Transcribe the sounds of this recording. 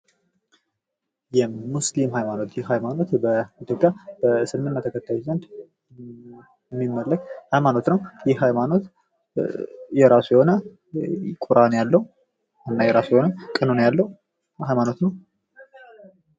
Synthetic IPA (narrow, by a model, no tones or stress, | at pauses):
jɛmuslimɦajmano̞t̪jɪhːajmano̞t̪bəit̪ʰjo̞pʼjab̥əsɨmːɨnnːat̪ʰəkʰət̪ʰːajuzənt̪ | mːimːəlːəkʼhajmano̞t̪nəwjɪhhajmano̞t̪ | jɛɾasujɛho̞nə | kʼuɾʔanjalːəhu | ɨnːajɛɾasujɛho̞nəkʼɨnonjalːəwu | hajmano̞t̪nəw